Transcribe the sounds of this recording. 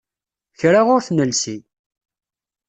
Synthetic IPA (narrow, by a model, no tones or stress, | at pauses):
çɾaʁʊɾθnəlsi